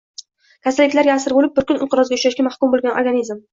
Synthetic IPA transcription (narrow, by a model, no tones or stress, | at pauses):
kʲʰasalːɪkʲlaɾɡʲaːsɪɾbolɪp̚bɪɾkʲʊnɪnqʰɨɾɒzɡʲaʊʃaʃkʲamahkʲʊmbolɡʲanʔoɾɡanizm